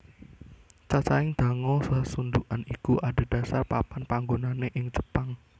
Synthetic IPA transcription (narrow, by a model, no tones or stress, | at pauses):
t͡ʃat͡ʃaɪŋd̪̥ä̤ŋɔsasund̪uʔanikuʔade̤d̥ä̤sarpapanpaŋɡonaneʔɪŋt͡ʃə̥paŋ